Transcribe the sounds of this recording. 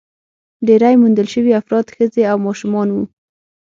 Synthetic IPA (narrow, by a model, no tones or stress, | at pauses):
ɖeɾajmund̪əlʃəwiafɾɑd̪xəzeawmɑʃumɑnwu